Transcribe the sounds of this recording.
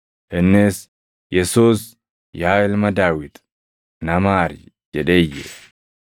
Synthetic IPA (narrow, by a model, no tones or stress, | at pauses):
hɛnːeːs | jɛsuːs | jaːɪlmɐd̪aːwɪt̪ | nɐmaːɾ | d͡ʒɛᶑeːjɛ̰